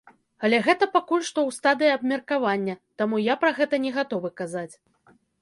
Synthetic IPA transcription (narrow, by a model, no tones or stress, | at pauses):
alʲɛɣɛt̪ɐpakulʲʂt̪ɔwst̪ad̪ɨjiɐbmʲɐrkavanʲːɐt̪amujapɾɐɣɛt̪ɐnʲɛɣat̪ɔvɨkazat͡sʲ